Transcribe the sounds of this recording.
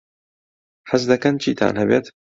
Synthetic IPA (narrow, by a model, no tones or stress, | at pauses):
ħɐsd̪ɐkɐnt͡ʃʰiːt̪ʰa̰ːnhɛbeːt̪